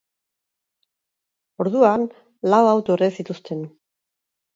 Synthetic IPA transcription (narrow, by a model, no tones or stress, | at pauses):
o̞ɾðuan | lawawt̪oresit̪ust̪ʰe̞n